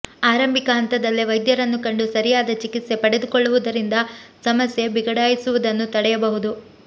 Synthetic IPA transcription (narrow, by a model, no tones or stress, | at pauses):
aːɾɐmbʱikɐɦɐnt̪ɐd̪ɐlːiʋɐjd̪jɐɾɐnːukɐɳɖusɐɾijaːd̪ɐt͡ʃikit̪se̞pɐɽe̞d̪ukoɭːuʋud̪ɐɾind̪ɐsɐmɐsje̞biɡɐɽaːjisuʋud̪ɐnːut̪ɐɽɛjɐbɐɦud̪u